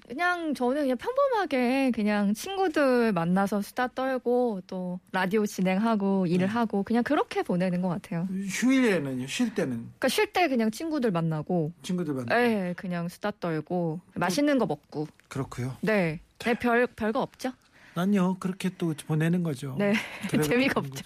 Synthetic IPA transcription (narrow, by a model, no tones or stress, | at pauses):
kɯɲaŋt͡ɕʌnɯnkɯɲaŋpʰjʌŋbʌmɦaɡe̞kɯɲaŋt͡ɕʰinɡudɯɭmanːasʰʌsʰu̥dat͈ʌɭɡot͈oɾadiot͡ɕine̞ŋɦaɡoiɾɯɭɦaɡokɯɲaŋkɯɾʌkʰe̞pone̞nɯnɡʌk͈atʰe̞joɕʰuiɾenɯɲoɕʰuiɭt͈enɯnik͈aɕʰɥiɭt͈e̞kɯɲaŋt͡ɕʰinɡudɯɭmanːaɡot͡ɕʰiŋɡudɯɭe̞kɯɲaŋsʰu̥dat͈ʌɭɡomaɕʰinɯnɡʌmʌk̚k͈okɯɾʌkʰujone̞e̞pjʌpjʌɭɡaʌp̚t͡ɕ͈a | aɲokɯɾʌkʰet͈opone̞nɯnɡʌd͡ʑone̞t͡ɕemiɡaʌp̚t͡ɕ͈ḁ